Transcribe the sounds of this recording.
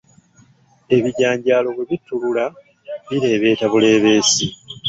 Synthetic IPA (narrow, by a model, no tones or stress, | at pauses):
e̞βiɟaːɲɟaːlo̞βeβitːulula | βiɾe̞ːβe̞ːtaβule̞ːβe̞ːsi